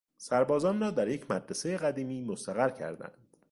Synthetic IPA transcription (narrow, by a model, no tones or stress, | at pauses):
sæɾbɒːzɒːnrɒːd̪æɾje̞cʰmæd̪ɾese̞jeɣæd̪iːmiːmost̪æɣæɾcʰæ̰ɾd̪æ̰nd̪̥